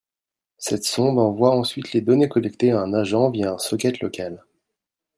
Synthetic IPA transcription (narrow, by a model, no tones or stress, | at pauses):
sɛt̪sɔ̃bɑ̃vwaɑ̃sɥit̪led̪ɔnekɔlɛkt̪eaɛ̃naʒɑ̃vjaɛ̃sɔkʲɛt̪lɔkʲal